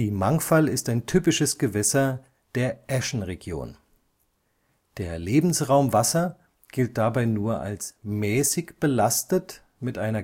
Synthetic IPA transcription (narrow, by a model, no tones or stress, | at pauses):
iːmaŋfalɪstaɪntʰyːpɪʃəsɡ̥əvɛsɐ | d̥eːɐʔɛʃn̩ʁeɡjo̰ːn | d̥eːɐleːbm̩sʁaʊmvasɐ | ɡ̥ɪlt̚d̥abaɪnuːɐʔa̰lsmɛːsɪçb̥əlastət | mɪtʔaɪnɐ